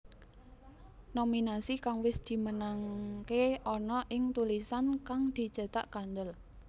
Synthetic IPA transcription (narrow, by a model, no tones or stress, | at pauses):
nominasikaŋwɪsd̪̥i̤mənaŋkeʔɔnɔʔɪŋt̪ulisankaŋd̪̥i̤d̥ʒ̥ə̤t̪a̰ʔkand̪əl